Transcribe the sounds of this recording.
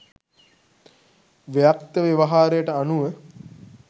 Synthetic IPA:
ʋeak̚t̪əʋeʋaɦaːɾejəʈəanuʋə

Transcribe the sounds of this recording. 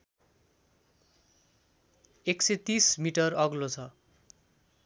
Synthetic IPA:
eksʌt̪ismiʈʌrʌɡlot͡sʰʌ

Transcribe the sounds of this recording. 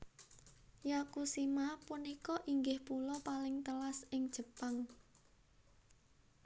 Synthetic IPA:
jakusimapunikɔʔiŋɡɪhpulɔpalɪŋt̪əlasɪŋd̥ʒ̥ə̤paŋ

